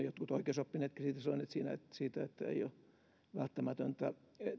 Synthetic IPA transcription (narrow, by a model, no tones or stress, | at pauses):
jot̪kut̪oikeːˑsopːineːt̪ksiːt̪æsɑnoneːt̪siːnæ̰ḛt̪ːsiːt̪æet̪ːæḛio | ʋælt̪ːæmæt̪ønt̪æ | e